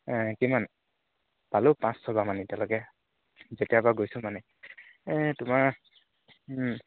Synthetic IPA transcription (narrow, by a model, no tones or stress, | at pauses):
kiman | palopãssɔbamanitɛ̃lɔkɛ | zetiabaɡojsʊ̃manɛ | tʊmaɹ